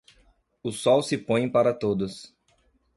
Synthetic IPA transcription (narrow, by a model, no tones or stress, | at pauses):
ʊsɔwsɪpõj̃paɾɐt̪od̪ʊs